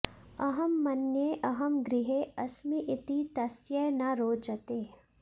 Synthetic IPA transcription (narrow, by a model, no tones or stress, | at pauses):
ɐɦɐmːɐnjeʔɐɦɐmɡɾɪɦeɐsmiʔɪt̪it̪ɐsjɐnɐɾoːd͡ʒɐt̪eː